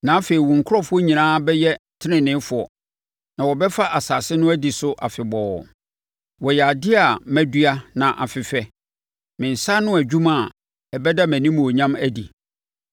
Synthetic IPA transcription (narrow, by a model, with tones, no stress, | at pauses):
nã˨˦fe˨i˨wũ˨ŋ̩˨kʰʊ˦ɾɔ˦fʊ˦ɔ˦ɲĩ˨nãː˦bɛ˦jɛ˦˨tʰɪ˦nɪ̃˨nɪ̃˦fʊ˨ɔ̰˨ | nã˨wɔ˨bɛ˦fa˦ʔa˨saː˨sɪ˦nʊ̃˦æ˦di˨sʊ˦ʔa̰˨fɪ˨bɔ˨ | wɔ˨jɛ˨a˨dɪ˦a˨mæ̃˦dɥa˦nã˨ʔa̰˨fɪ˨fɛ˦ | mɪ̃˨n̩˨sa˦nʊ̃˦æ˨d͡ʑᶣu˦mã˦˨ | ɛ˨bɛ˦da˦mæ̃˨nĩ˦mũ˨o˨ɲã˦mæ˦di˨